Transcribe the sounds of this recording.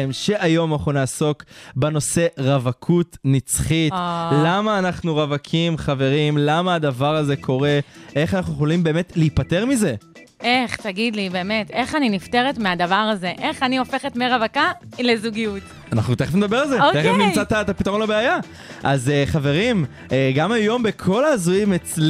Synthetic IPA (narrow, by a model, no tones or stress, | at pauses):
mʃeʔajo̞maχunaːso̞kbeno̞se̞ʁavakʰutnit͡sχitlamaːnaχnuʁavakʰimχave̞ʁimlamaːd̪avaʁaze̞kʰo̞ʁeʔeχanaχnueolimbe̞ːmetleipate̞ʁmize̞ | ʔe̞χt̪aɡid̪libe̞ːme̞te̞χaninifte̞ʁetmead̪avaʁaze̞ʔe̞χaniofe̞χe̞tmeʁavaka | lezuɡijut | anaχnut̪eχefnedɐbe̞ʁalzeoteefnimt͡sat̪at̪apitaʁo̞nlabeaja | ʔazeχave̞ʁim | eɡamajo̞mbekʰo̞laːzujimet͡sl